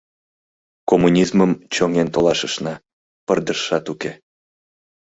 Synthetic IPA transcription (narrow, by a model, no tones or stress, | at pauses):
komunʲizməmt͡ɕoŋent̪olɑʃəʃnɑ | pərd̪əʃːɑt̪uke